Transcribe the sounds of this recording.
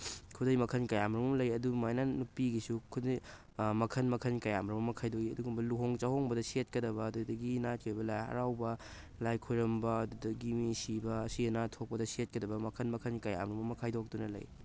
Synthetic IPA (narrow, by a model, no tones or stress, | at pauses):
kʰudɐjmɐkʰɐnkɐjamɾɐmɐmlɐjɐdumajnanupiɡisukʰudɐj | mɐkʰɐnmɐkʰɐnkɐjamɾɐmɐmɐkʰajdoɡiɐduɡumbɐluɦoŋt͡ʃahoŋbɐdɐset̚kɐdɐbɐːdudɐɡinat̚kejbɐlaɐ̰ɾawbɐ | lajkʰojɾɐmbɐːdudɐɡimisibɐːsiɐnatʰok̚pɐdɐset̚kɐdɐbɐmɐkʰɐnmɐkʰɐnkɐja̰mɾɐmɐmɐkʰajdok̚dunɐlɐ̰j